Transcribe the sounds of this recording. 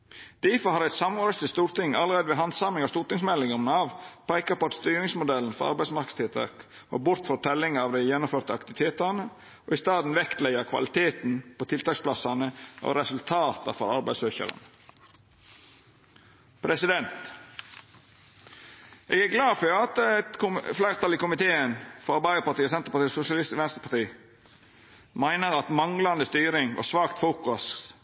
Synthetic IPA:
d̪̥ɪːfɔhɑɾæɪt̪sɑmʁoɾəst̪ɪst̪uːɾt̪ɪŋːɑlːəɾeːd̪əʋeːɦɑnd̪sɑmɪŋɑst̪uːʈnɪŋsmɛlɪŋəmnɑʋpʰæɪkɑpɔɑt̪st̪yːɾɪŋsmʊd̪ɛln̩fɔɾɑ̰ɾbæɪsmɑɾkə̥st̪ʰɪlt̪ʰɑ̰ːk | ʋo̰ːbʊɾt̪fɾɑt̪ʰɛlːɪŋɑʋd̪æɪjɛnːʊmføːɾt̪əɑkt̪ɪʋɪt̪ʰeːt̪ɑnə | ʔo̰ːɪst̪ɑːd̪n̩ʋɛkt̪læɪɑkʰʋɑ̰lɪt̪ʰeːt̪n̩pʰoːt̪ʰɪlt̪ʰɑːkspʰlɑsɑnəʔo̰ɾɛsʉlt̪ʰɑːt̪ɑ̰fɔɾɑɾbæɪsøːçə̰ɾə̰n | pʰɾɛsɪd̪ɛnt̪ | ʔeːɡæɾɡlɑːfœɾɑt̪t̪kʊflæɪʁt̪ʰɑlɪkʊmɪt̪ʰeːənfɔɾɑɾbæɪəɾpɑt̪iːɔsɛnt̪əɾpɑt̪iːɔsʊsjɑlɪst̪ʋɛnst̪ɾəpʰɑt̪iː | mæɪnəɾɑt̪mɑŋlɑnd̪əst̪yːɾɪŋʋʔɑ̰sʋɑːkt̪fuːkʊs

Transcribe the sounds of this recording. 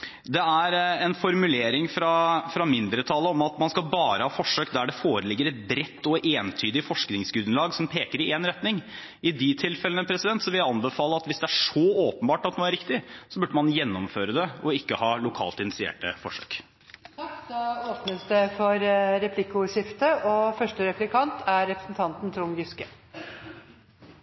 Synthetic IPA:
d̪ɛæɾɛnfɔɾmʉleːɾɪŋfɾɑfɾɑmɪnd̪ɾət̪ʰɑləɔmɑt̪mɑnskɑlbɑːɾəhɑːfɔʂːøːkd̪æɖɛfoːɾəlɪɡːəɾɛt̪̚bɾɛt̪ːɔʔeːnt̪ʰyːd̪ɪfɔʂknɪŋsɡʉd̪nlɑːɡsɔmpʰeːkəɾɪeːnɾɛt̪nɪŋ | ɪd̪ɪt̪ʰɪlfɛlənəpʰɾɛsɪd̪ɛnt̪sɔʋɪljæɪɑnbəfɑːlˠəɑt̪ʋɪsd̪ɛæʂɔoːpənbɑːʈɑt̪noːæɾɪkt̪ɪsɔbʉɖːəmɑnjɛnːɔmføːɾəd̪ɛɔɪkːəhɑːlʊkʰɑ̰ːlt̪ɪnɪtsɪḛːʈəfɔʂø̰ːk̪ʰ | kːd̪ɑoːpnəsd̪ɛfɔɾɾɛpʰlɪkːʊʂɪft̪əʔɔfœʂʈəɾɛplɪkʰɑnt̪ʰæɾɛpɾəsn̩t̪ʰɑnt̪n̩t̪ʰɾʊmɡʏskə

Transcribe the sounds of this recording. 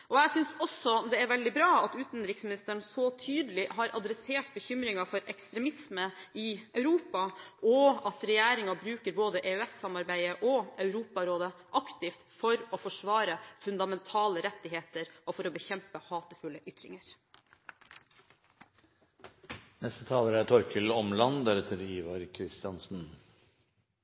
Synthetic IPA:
ʔɔæɪsʏnsɔsɔd̪ɛæɾʋɛld̪ɪbɾɑːɑt̪ʉːt̪n̩d̪ɾɪksmɪnɪst̪əɳsɔt̪ʰyːd̪əlɪɦɑɾʔɑd̪ɾɛseːʈ̚bəçʏmɾɪŋɑfɔɾɛkst̪ɾɛmɪsməɪœʉɾuːpɑʔɔɑt̪ɾɛjæːɾɪŋɑbɾʉːkəɾboːd̪əʔeːɛsːɑmɑɾbæɪəʔɔʔœʉɾuːpɑɾoːd̪əʔɑkt̪ɪft̪fɔɾɔfɔʂʋɑːɾəfʉnd̪ɑmɛnt̪ʰɑːləɾɛt̪ːɪɦeːt̪əɾʔɔfɔɾɔbəçɛmpəhɑːt̪əfʉlːəʔʏt̪ɾɪ̰ŋəɾ | nɛst̪ət̪ʰɑːʋəɾæt̪ʰɔɾkʰəlɔmlɑnd̪æɾɛt̪ʰəɾiːʋɑɾkʰɾɪst̪ɪɑnsn̩

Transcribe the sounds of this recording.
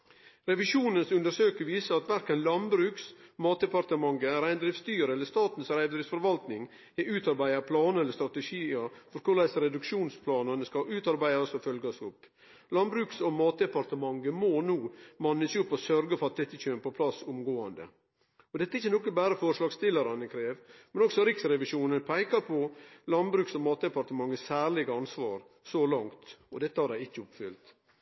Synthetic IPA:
ɾɛʋɪʃuːnənsʉnd̪əɾʂøːkəɾʋiːsəɾɑt̪ʋæɾkənlɑnbɾʉːksmɑːt̪̚d̪ɛpɑɾt̪əmɑŋɡəæɾæɪnd̪ɾɪʋst̪yːəɾəɛlːəst̪ɑːt̪n̩sɾæɪʋd̪ɾɪsfɔɾʋɑlt̪nɪŋ | ɛʔʉːt̪ɑɾbæɪɑpʰlɑːnəɛlːəɾst̪ɾɑt̪ɛʂiːəfɔɾkʰʊlæɪsəɾɛd̪ʉkʂuːnspʰlɑːnənəskɑʔʉːt̪ɑɾbæɪɑsɔfœlɡɑsʊp | lɑnbɾʉːksɔmɑːt̪̚d̪ɛpɑɾt̪əmɑŋɡəmɔnuːmɑnːəɪçʊpːɔsœɾɡəfɔɾɑt̪̚d̪ɛt̪ːəc͡çøːməpɔpʰlɑsːʊmɡoːɑnd̪ə̰ | ɔd̪ɛt̪ːəɪçːənɔkːəbæːɾəfɔɾʂlɑːɡst̪ɪləɾɑnəkʰɾeːʋmɛnɔksɔɾɪksɾɛʋɪʃuːnənpʰæɪkɑɾpʰɔlɑnbɾʉːksɔmɑːt̪̚d̪ɛpɑɾt̪əmɑŋːəsæːɾlɪɡəɑnsʋɑːɾ | sɔlɑŋt̪ɔd̪ɛt̪ːəhɑɾd̪æɪɪçːəʊpfʏlt̪

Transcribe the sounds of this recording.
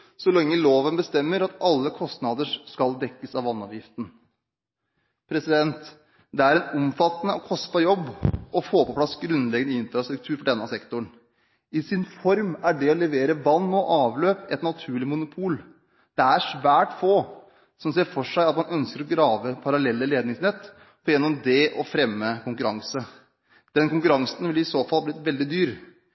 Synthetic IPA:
sɔlɛŋːəloːʋənbəst̪ɛmːəɾɑt̪ɑlːəkʰɔst̪nɑd̪əʂskɑld̪ɛkːəsɑʋɑnːɔ̰ʋjɪft̪n̩ | pʰɾɛsɪd̪ɛnt̪ | d̪ɛæɾɛnɔmfɑt̪ːənəɔkʰɔspɑjɔbːʔɔfoːpɔpʰlɑsɡɾʉnd̪lɛɡənəɪnfɾɑst̪ɾʉkt̪ʰʉːɾfɔɖɛnːəɑsɛkt̪ʊɳ | ɪsɪnfɔɾmæɖɛɔlɛʋeːɾəʋɑnːɔʔɑːʋløːpɛt̪nɑt̪ʰʉːɭɪmʊnʊpʰuːl | d̪̥ɛæʂʋæːʈfoː | sɔmseːɾfɔʂæɪɑt̪mɑnœnskəɾɔɡɾɑːʋəpʰɑɾɑlɛlːəleːd̪nɪŋsnɛt̪ː | fʰɔjɛnːɔmd̪ɛʔɔfɾɛmːəkʊŋkʉɾɑŋsə | d̪̥ɛnkʊŋk̬ʉɾɑŋsn̩ʋɪlɪsoːfɑlblɪt̪ʋɛld̪ɪd̪yːɾ

